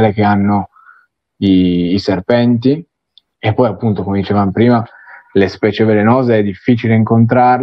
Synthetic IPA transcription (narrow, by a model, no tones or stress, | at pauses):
lek̟eanːo | iːserpɛnt̪i | epːɔjapːunt̪okomed̪it͡ʃevamopɾiːma | lespɛːt͡ʃevelenoːzeɛd̪ːifːiːt͡ʃileiŋkont̪̬ɾarl